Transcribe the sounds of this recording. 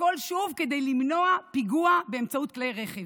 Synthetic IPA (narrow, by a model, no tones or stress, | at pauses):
ko̞lʃuvked̪e̞jlimno̞apiɡuabeemt͡saut̚klejʁeχev